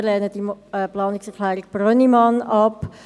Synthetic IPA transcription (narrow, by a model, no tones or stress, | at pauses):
lɛːnəd̥iɛplɑːnɪksɛɾkʰlɛːɾɪk̚b̥ɾœnimɑnɑp